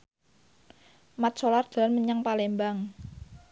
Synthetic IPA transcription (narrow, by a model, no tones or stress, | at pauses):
mat̪̚t͡ʃolard̪̥a̤lanməɲaŋpalembaŋ